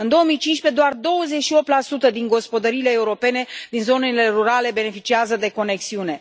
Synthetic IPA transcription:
ɨnd̪o̞omijt͡ʃinʃpe̞d̪oard̪o̞wəze̞t͡ʃʃio̞p̚t̪lasut̪əd̪inŋɡo̞spo̞d̪əɾiːle̞ːuɾo̞pe̞ne̞d̪̥inzo̞ne̞le̞ruɾale̞be̞ne̞fit͡ʃiazəd̪e̞ko̞ne̞ksiune̞

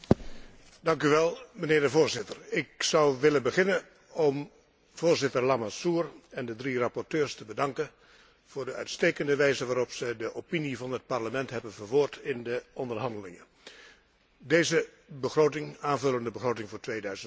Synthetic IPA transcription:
dɑŋkyʋɛlˠmənɪːɹdəvoːɹzɪtərɪksʌwʋɪlənbəχɪnən | ɔm | v̥oːɹzɪtərlamasuːrɛndədrirɑpɔɹtøːɹstəbədɑŋkən | v̥ʊːɹdəœ̰ɥtsteːkəndəʋɛjzəʋaːɾɔpsəjdəʔopinivɑnət̚pɑɹləmɛntɦɛbənvəʋoːɹtʰɪndəɔndərɦɑndəlɪ̰ŋə | deːzə | bəχroːtɪŋaːnvɵləndəbəχrowtɪŋvʊːɹtʋeːdœɥzən

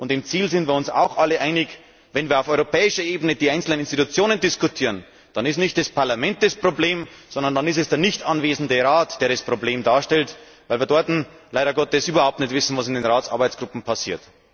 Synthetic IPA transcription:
ʔʊntɪmt͡siːlzɪndviːɐʊnsa̰ʊxʔaləʔaɪnɪç | vɛnviːɐaʊfɔʏʁopʰɛːɪʃɐʔeːbənədiːaɪnt͡sl̩nənɪnstitut͡sjoːnəndɪskutʰiːʁən | d̥ɑnɪstnɪçt̚d̥aspʰaɐlamɛnt̚d̥aspʁ̥obleːmz̥ɔndɐndanɪs̬tɛsd̥eːɐnɪçtʔanveːzn̩dəʁaːtd̥eːɐdaspʁ̥obleːmdaːɐʃtɛlt | vaɪlviːɐdɔɐtn̩laɪɾɐɡɔtɛsʔyːbɐhaʊp̚tnɛçtv̥ɪsn̩vasɪndeːnʁaːtt͡sʔa̰ɐbaɪt͡sɡ̥ʁʊpm̩pʰasḭːɐt

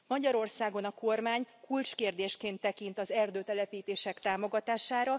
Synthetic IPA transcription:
mɒɟɒɾo̞rsaːɡo̞nɒko̞rmaːɲkult͡ʃkeːrd̪eːʃkeːnt̪ːɛkint̪ɒzɛrd̪øːt̪ɛlɛpiːt̪eːʃɛkt̪aːmo̞ɡɒt̪aːʃaːɾɒ

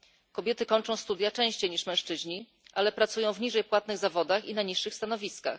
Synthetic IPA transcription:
kɔbʲjɛt̪ɘkɔnt͡ʂɔ̃w̃st̪ud̪jat͡ʂɛ̃w̃ɕt͡ɕejɲiʂmɛ̃w̃ʂt͡ʂɘʑɲi | ʔalɛpɾat̪sujɔ̃w̃vɲiʐɛjpwat̪̚nɘɣzavɔd̪axinaɲiʂːɘxst̪anɔvʲiska̰x

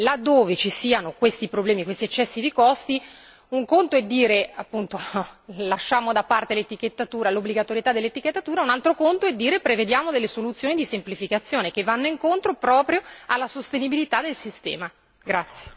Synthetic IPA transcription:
lad̪ːoːvet͡ʃisiːanokwest̪ipɾoblɛːmikwest̪iet͡ʃːɛsːid̪ikɔst̪i | uŋkont̪oɛd̪ːiːɾeapːunt̪olaʃːaːmod̪apart̪elet̪ik̟et̪ːat̪uːɾalobliɡat̪oɾjet̪ad̪ːelːet̪iket̪ːat̪uːɾaunalt̪ɾokont̪oɛd̪ːiːɾepɾeved̪jaːmod̪elːesolut̪sːjoːnid̪isemplifikat̪sːjoːnek̟evːanːoiŋkont̪ɾopɾɔːpɾjoalːasost̪enibilit̪ad̪elsist̪ɛ̰ːma | ɡɾat̪sːje̥

